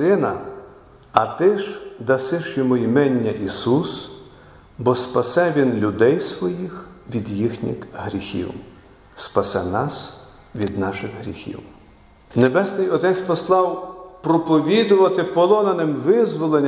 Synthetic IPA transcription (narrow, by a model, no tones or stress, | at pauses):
ɪnɐ | ɐt̪ɪʒd̪ɐsɪʃjɔmʊimɛnʲːɐʔisus | bɔspɐsɛʋʲinlʲʊd̪ɛjsʋɔjixʋʲid̪jixnʲḭxɦɾʲixʲḭw | spɐsɛnɑs | ʋʲid̪nɑʃɪxɦɾʲḭxʲḭw | nebɛsnɪjɔd̪ɪnsʲpɔslˠɑwpɾɔpɔʋʲid̪ʊʋɐt̪ɪpɔlˠɔnɐnɪmʋɪzʋɔlˠenʲ